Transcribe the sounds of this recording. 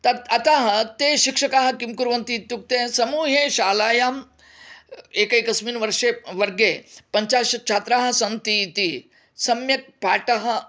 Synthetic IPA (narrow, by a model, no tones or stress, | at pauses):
t̪ɐɐt̪aːɦɐ̆t̪eɕikʂɐkaːɦɐ̆kimkuɾʋɐnt̪it̪juk̚t̪eːsɐmuːɦeɕaːlaːjaːm | ekɐjkɐsmiːnʋɐɾʂeʋɐɾɡepɐɲt͡ʃaːʃɐt͡ʃʰaːt̪ɾaːɦɐ̆sɐnt̪it̪i | sɐmjɐk̚paːʈɐɦɐ̆